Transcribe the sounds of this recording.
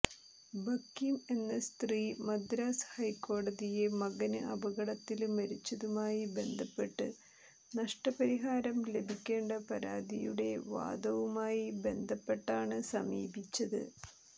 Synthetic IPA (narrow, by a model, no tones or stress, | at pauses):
bɐkːime̞nːɐst̪riːmɐd̪ɾaːshɐjko̞ːɽɐðije̞mɐɣɐnɨʔɐbɐɣɐɽɐt̪ːilmɐɾit͡ɕːɐðumaːjibe̞nd̪ʱɐpːe̞ʈːɨ̰ | nɐʂʈɐpɐɾiɦaːɾɐmle̞bʱikʲːe̞ːɳɖɐpɐɾaːd̪ijṵɽe̞̰ʋa̰ːd̪ɐʋumaːjibe̞nd̪ʱɐpːe̞ʈːaːɳɨsɐmḭːbʱit͡ɕːɐðɨ̰